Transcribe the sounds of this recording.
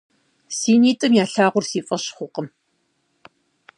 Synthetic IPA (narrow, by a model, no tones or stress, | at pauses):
siːniːtʼɨmjaːɬaːʁʷʊrsiːfʼɐɕχʷʊqəm